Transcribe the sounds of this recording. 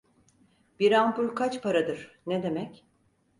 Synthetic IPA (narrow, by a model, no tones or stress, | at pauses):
b̥iɾampuɾkʰat͡ʃpʰaɾad̪ɯɾ̥ned̪e̞mɛc